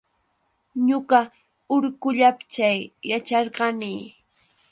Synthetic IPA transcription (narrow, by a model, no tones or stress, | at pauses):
ɲʊɢɑ | ʊɾkʊʎapt͡ʃajːat͡ʃɑɾɢɑnɪː